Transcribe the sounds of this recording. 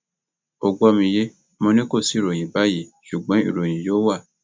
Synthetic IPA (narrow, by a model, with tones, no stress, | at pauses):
o˨ɡ͡bo˧˦ɔ˧mĩ˧je˦ | mɔ̃˧nĩ˦ko˦˨si˨˦˨ɾo˨j̃ĩ˨ba˨˦ji˨˦ʃu˨ɡ͡bɔ̃˨˦ḭ˦˨ɾo˨j̃ĩ˨jo˦wa˦˨